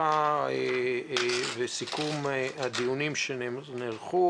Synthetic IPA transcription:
ae | vesikumehad̪iunimʃenneʁχu

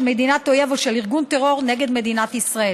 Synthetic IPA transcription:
me̞d̪inat̪ojevoʃeliʁɡunt̪eʁo̞ʁneɡe̞d̪me̞d̪inat̪isʁae

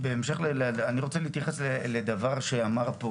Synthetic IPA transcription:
be̞ːmʃe̞χlelaniʁo̞t͡selihit̪jaχe̞sleled̪avaʁʃeamaʁpo

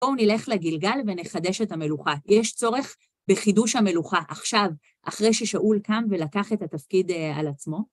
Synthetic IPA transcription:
bounile̞χleɡilɡalveneχade̞ʃethame̞luχajeʃt͡so̞ʁe̞χ | beχiduʃhame̞luχaʔaχʃav | ʔaχʁe̞jʃeʃaʔulkamvelakaχe̞thatafkidalat͡smo̞

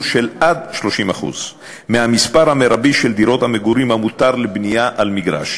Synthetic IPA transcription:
ʃelad̪ʃlo̞ʃima̰χṵz | mehamispaʁhameɾabiʃeld̪iɾo̞t̪hameɡuɾimhamut̪aʁlebnijaʔalmiɡʁa̰ʃ

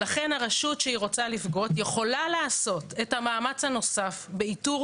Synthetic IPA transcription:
laχe̞nhaʁeʃʃutʃeiʁo̞t͡salifɡo̞t̪jeχo̞lalaːso̞te̞thamaːmat͡shano̞safbe̞ituʁ

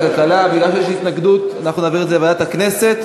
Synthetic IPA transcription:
kalkalabiɡlalʃejeʃhit̪naɡd̪ut̪anaχnunaːviʁet̪zeladatakne̞se̞t̪

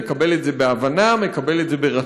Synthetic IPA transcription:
ekabeletzebeavanamekabe̞letzebeʁa

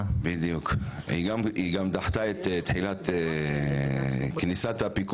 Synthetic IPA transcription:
bid̪jukhḭɡamiɡamt̪aħt̪aet̪t̪ħilat̪ | knisat̪apik

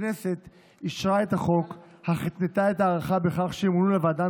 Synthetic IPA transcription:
nese̞t̪ | iʃʁae̞thaχo̞k | haχit̪net̪ae̞taːʁaχabe̞χaχʃeimlulavaːda

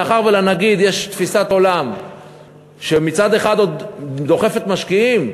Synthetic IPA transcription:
aχaʁvelanaɡid̪jeʃt̪fisat̪o̞lam | ʃemit͡sad̪e̞χad̪o̞d̪d̪o̞χe̞fe̞t̪maʃkiim

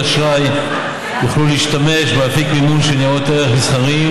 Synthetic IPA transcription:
aʃʁaj | joχluliːʃtame̞ʃbeafikminunʃenijaoteʁeχmisχaʁim

